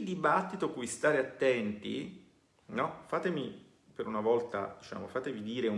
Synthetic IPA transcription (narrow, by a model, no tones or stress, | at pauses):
ld̪ibat̪ːit̪okujst̪aːɾeat̪ːɛnt̪ḭ | nɔfaːt̪emi | peɾunavɔlt̪a̰d̪̥it͡ʃa̰ːmo̰faːt̪evid̪iːɾeu